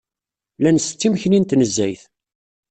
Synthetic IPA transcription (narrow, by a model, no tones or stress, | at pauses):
lænst͡s̪ːimçnint̪nəzːæjθ